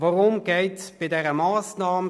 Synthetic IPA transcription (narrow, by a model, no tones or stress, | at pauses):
vɔʁʊmɡɛɪtb̥ɪdɛʁəmaːsnaːm